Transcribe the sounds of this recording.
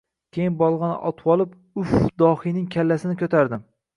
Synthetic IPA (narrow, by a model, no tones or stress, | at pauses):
kʲʰejɪnbɒlˠʁɑnɪ̰ʔɒt̪ʰwɒlˠɪp | ʊfd̪ɒhijnɪŋkʲʰalːasɪnɪkʲʰɵt̪ʰaɾd̪ɪm